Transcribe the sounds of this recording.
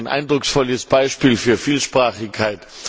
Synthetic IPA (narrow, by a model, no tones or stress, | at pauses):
nʔa̰ɪndʁʊksfɔləsb̥aɪʃpiːlfyːɐfiːlʃpʁ̥aːχɪkʰːaɪt